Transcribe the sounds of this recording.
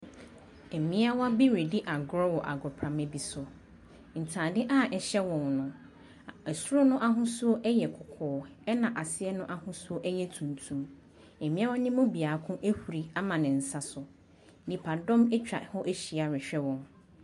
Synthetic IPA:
e˨mĩ˦a˦wɔ˦bi˦ɾe˨di˦ʔa˨ɡɾɔ˦wɔ˨ʔa̰˨ɡɾʊ˨pʰɾã˨me˨bi˨sʊ˨ | n̩˨tʰãː˨dɪ˦ʔa˦˨ʔɛ˨ɕɛ˦wɔ̃˨nnʊ̃˦ | ɛ˨su˦ɾɔ˦nʊ̃˦ʔa˦ɦʊ̃˦su˦o˦ʔɛ˦jɛ˨kʰʊ˨kʰɔː˨˦ɛ˦nã˨ʔa˨sɪ˦ɛ˦nʊ̃˦ʔa˦hʊ̃˦su˦o˦ʔɛ˦jɛ˦tʰũ˨ntʰũ˨m | e˨mĩ˦a˦wɔ˦nɪ̃˦mʊ̃˦bi˨aː˨˦kʰʊ̃˦ʔe˦hu˨ɾi˨a˦mã˨nɪ̃˨n̩˨sa˨sʊ˨ | nĩ˨pʰa˨dɔ̃˦mɛ˦t͡ɕᶣa˨hɔ˦ʔe˦ɕi˨a˨ɾɪ˨ɕᶣɛ˦wɔ̃˨n

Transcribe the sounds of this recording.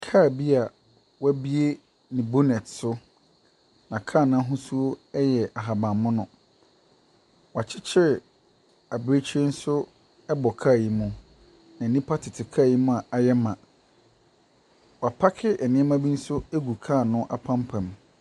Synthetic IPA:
kʰaː˦˨bi˦a˨ | wa˦bi˦e˦ | nɪ̃˨bo˦nɛ˨tsʊ˦ | nã˨kʰaː˦˨nã˦ɦʊ̃˦su˦o˦ɛ˦jɛ˨ʔa˨ɦa˨bã˨mːʊ̃˦nʊ̃˨ | wɔ˨a˨t͡ɕʰɪ˦t͡ɕʰɪ˦ɾɪ˨ | a˨bɾe˦t͡ɕʰi˦e˦n̩˦sʊ˦ | ɛ˦bɔ˨kʰa˦˨ji˦mʊ̃˦ | nã˨nĩ˦pʰa˦tʰɪ˨tʰɪ˨kʰa˦˨ji˦mʊ̃˦a˨ʔa˨jɛ˦mã˨ | wa˨pʰa˦kʰɪ˦ʔɛ˨nɪ̃˦ɛ˦mã˦bi˦n̩˦sʊ˦e˦ɡu˨kʰaː˦˨nʊ̃˦ʔa̰˨pʰã˦mpʰã˨m

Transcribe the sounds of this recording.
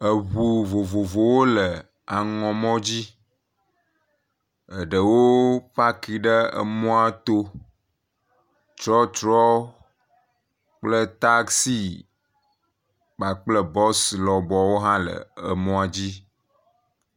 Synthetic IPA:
ə˨βu˨vo˨vo˨vo˨wo˦lə˨ | a˨ŋɔ̃˨mɔ̃˦d͡ʑi˦ | ə˨ɖə˨wo˦pa˦ki˨ɖə˦ə̰˨mɔ̃˦a˦t̪o˦ | t͡ʃɾɔ˦t͡ʃɾɔ˦ | k͡plə˦t̪a˦ksi˦ | k͡pa˨k͡plə˦bɔ˦slɔ˨bɔ˨wo˦ɦã˦lə̰˨ə˨mɔ̃˦a˨d͡ʑi˦

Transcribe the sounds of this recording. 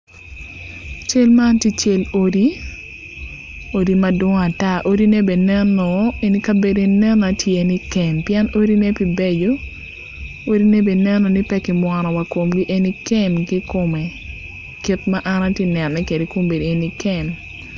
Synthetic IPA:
t͡ʃe˦lma˦nti˦t͡ʃe˦lo˦di˦ | o˦di˦ma˦dʊ˦ŋa˨ta˦˨ʔo˦di˦ne˦be˨nɛ˦nɔ˨e˨ni˦ka˦be˨de˨nɛ˦na˨tʰje˨ni˦kɛ˨mpjɛ˦no˦ɾi˦ne˦pi˨be˦d͡ʒo˦ | o˦ɾi˦ne˦be˨nɛ˦nɔ˨ni˦pɛ˦kɪ˨mwa˨nɔ˨wa˨ko˨mɡi˦ʔe˦ni˦kɛ˦mɡi˦ko˨me˨ | ki˦tma˦ʔa˦na˦tje˦nɛ˨nːɛ˦ke˨de˨ko˦mbe˨di˨e˨ni˦kɛ˦m

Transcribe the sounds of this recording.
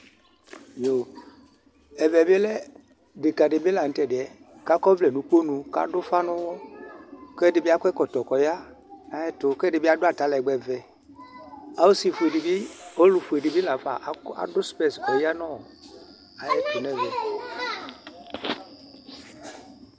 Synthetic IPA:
jo˨ | ɛ˨vɛ˨bɛ˦lɛ˦ | dɪ˨ka˨dɪ˨bi˦la˨n̩˨˦tɛ˨dɪ˨ɛ˨ | ka˦kɔ˦vlɛ˨nu˨˦k͡po˦nu˧ka̰˨˦dʊ˦fa˦nʊ˦wɔ˦ | kɛ˦dɪ˨bi˦a˦kʷɛ˦kɔ˨tɔ˨kɔ˨ja˦ | a˨jɛ˦tʊ˨˧˦kɛ˦dɪ˨bi˦a˦dʊ˦a˨ta˨˦lɛ˨ɡ͡bɛ˨vɛ˨ | a˨wo˦si˨fu˨e˨dɪ˨bi˦o˦lʊ˧fu˨ɛ˨dɪ˨bi˦la˨˦fa˨ʔa̰˨dʊ˦spɛ˦˨sɔ˨ja˦nɔ˦˨ | a˨jɛ˦tʊ˨n˦ɛ˦˨vɛ˨

